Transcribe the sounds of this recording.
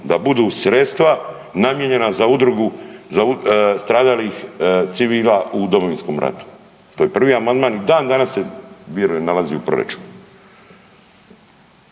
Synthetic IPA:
d̪abud̪usɾet̪st̪ʋa | namjeɲe̞nazaud̪ɾuɡuzaust̪ɾaːd̪alixt̪siʋiːlaud̪o̞mo̞ʋinsko̞mɾʔa̰t̪u̥ | t̪ojepr̩ʋiamand̪maːnid̪aːnd̪anasːeʋjeɾujemnalaziupɾoɾḛt͡ʃe̥n

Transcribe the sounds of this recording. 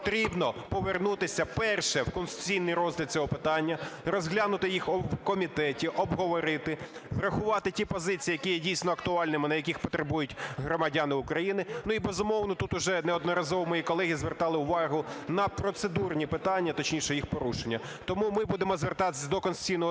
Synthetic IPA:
t̪ɾʲibnɔpɔʋernut̪ɪsʲɐpɛrʃɛwkɔnst̪ʊ̥t͡sʲijnɪjɾɔzʲlʲɐt̪̚t͡sʲɔɦɔpɪt̪ɑnʲːɐrɔzɦlʲanʊt̪ɪjixɔwkɔmʲit̪ɛtʲiʔɔbɦɔʋɔɾɪt̪ɪ | ʋɾɐxʊʋɑt̪ɪtʲipɔzɪt͡sʲijːjɐkʲijɛdʲijsʲnɔɐkt̪ʊɑlʲnɪmɪnɐjɐkʲixpɔt̪ɾebujʊtʲɦɾɔmɐdʲanɪʊkɾɐjinɪnuibezʊmɔwnɔt̪ut̪ʊʒɛnɛɔd̪nɔɾɐzɔʋɔmɔjikɔlˠɛɦʲizʋert̪ɑlˠɪʊʋɑɦʊnɐpɾɔt̪sed̪urnʲipɪt̪ɑnʲːɐt̪ɔt͡ʃnʲiʃɛjixpɔɾuʃenʲːɐ | t̪ɔmumɪbud̪emɔzʋert̪ɑt̪ɪsʲd̪ɔkɔnsʊ̥t͡sʲijnɔɦ

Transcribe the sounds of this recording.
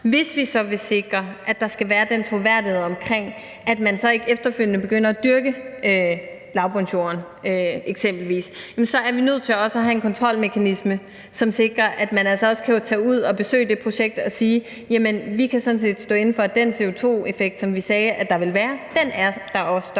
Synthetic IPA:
ʋe̝sʋisɒ̽ʋe̝se̝ɡ̥ʁɐʔæd̥ɑ̈sɡ̥æʋæːɐd̥ent͡sʰʁo̝ʋæɐ̰d̥iheð̩̰ˠɒ̽mkʰʁeŋ̰ | ʔæd̥mænsɒ̽e̝ɡ̥efd̥ɐføl̰jnəb̥e̝ɡ̥øn̰ɐæd̥yɐɡ̥ə | lɑ̈ʊpʰɒŋɕo̝̰nɐn | øeɡ̥sem̰b̥l̩ʋḭːsjæmnsɒ̽æɐʋinøð̞̰ˠt͡sʰe̝lɒ̽səɒɦæe̝nkʰɒ̽nt͡sʰʁɒ̽l̰me̝kʰænismə | sɒ̽mse̝ɡ̥ʁɐʔæd̥mænælsɒɒ̽sə̥kʰæjot͡sʰɛ̰ːuð̞̰ˠɒ̽b̥e̝sø̰ːɪd̥e̝pʰʁo̝ɕeɡ̥̚d̥ɒ̽siː | jæmənʋikʰæsɒ̽n̩se̝̰ːd̥sd̥ɔ̰ːe̝n̩fɒ̽d̥ense̝o̝t͡sʰo̝̰ːe̝feɡ̥̚d̥sɒ̽mʋisɛːʔæd̥ɑ̈ʋe̝lʋæːɐd̥enæɐd̥ɑ̈ɒ̽sə̥

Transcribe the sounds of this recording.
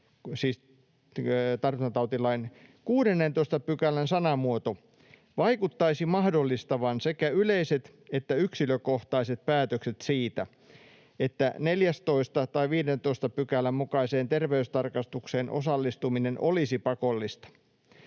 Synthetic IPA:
siːs | t̪ɑrʋinɑt̪ɑut̪ilɑinkuːdenːent̪oist̪ɑpykælænsɑnɑmuot̪o | ʋɑikut̪ːɑisimɑhdolːist̪ɑʋɑnsekæyleiset̪ | et̪ːæyksiløkoht̪ɑiset̪̚pæːt̪økset̪siːt̪æ | et̪ːæneljæst̪oist̪ɑt̪ɑiʋiːdent̪oist̪ɑpykælːˑæmmukɑiseːnt̪erʋeyst̪ɑrkɑst̪ukseːnʔo̰sɑlːist̪uminenʔolisipɑkolːist̪ɑ̥

